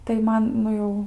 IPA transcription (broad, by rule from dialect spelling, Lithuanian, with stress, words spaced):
tɐɪ ˈmɐn ˈnʊ jɛʊ